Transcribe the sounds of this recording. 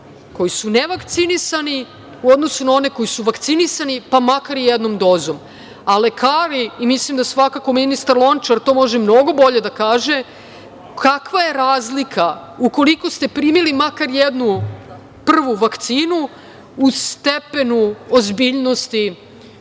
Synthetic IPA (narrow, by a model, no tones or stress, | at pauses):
ko̞jisuneʋakt̪sinisani | uod̪no̞sunao̞ne̞ko̞jisuʋakt̪sinisanipamakaɾijed̪no̞md̪o̞ːzom | ale̞kaːɾiːmislimd̪asʋakako̞minist̪aɾlˠo̞nt͡ʃaɾt̪o̞ːmo̞ʒemno̞ɡo̞bo̞ʎe̞d̪akaːʒe̞ | kakʋaje̞ɾaːzlikʰa | uko̞liko̞st̪e̞pɾiːmilimakaɾjed̪nu | pr̩ʋuʋakt̪siːnu | ust̪epe̞nuozbiːʎno̞st̪i